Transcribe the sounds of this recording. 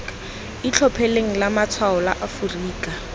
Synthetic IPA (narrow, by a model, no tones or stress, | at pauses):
ɪt͡ɬʰɔpʰɛleŋ̩lamat͡sʰwaɔlaʔafuriːkʼa